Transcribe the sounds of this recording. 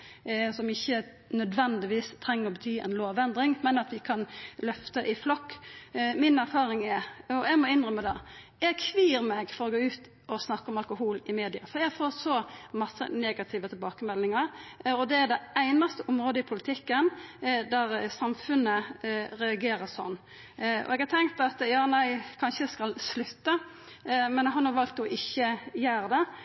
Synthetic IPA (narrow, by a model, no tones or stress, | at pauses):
sɔmɪçːə | nœd̪ʋɛnd̪ɪʋiːst̪ʰɾɛŋːəɾɔbət̪ʰyːɛ̰ɪnloːʋɛnd̪ɾɪŋmɛnɑt̪ʋɪkʰɑnlœft̪əʔɪflɔkː | mɪnæɾfɑːɾɪŋɛɾɔɛɡmɔɪnɾœmːəd̪ɛjɛɡkʰʋiːɾmɛɡfɔɾɔɡoːʉːt̪ | ɔsnɑkːəɔmɑlkʊhuːlɪmeːd̪ɪɑ̰fɔɾjæɡfoːɾsɔmɑsːə̰neːɡɑt̪ʰɪʋət̪ʰɪlbɑːkəmɛlːɪŋɑɾɔd̪ɛæɾɖ̪ɛæɪnɑst̪əʔʊmɾoːd̪əɪpʰʊlɪt̪ʰɪkːənd̪æɾsɑmfʉnːəɾɛɑɡeːɾəɾsɔ̰nː | ɔ̰ɛɡhɑɾt̪ʰɛŋkt̪ɑt̪jɑːnæɪkʰɑnʃəskɑlslʉt̪ːə | mɛnɦɑnhɑʋɑlt̪ɔʔɪçːəjæːɾd̪ɛ